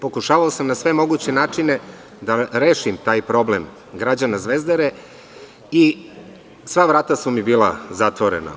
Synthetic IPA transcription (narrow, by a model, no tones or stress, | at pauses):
po̞kuʃaːʋaosamnasʋe̞mo̞ɡut͡ɕenaːt͡ʂine | d̪aɾeːʃimt̪aːjpɾo̞blem | ɡɾad͡ʑanazʋezd̪aɾe | i | sʋaʋɾaːt̪asumibiːlˠazat̪ʋoɾḛna̰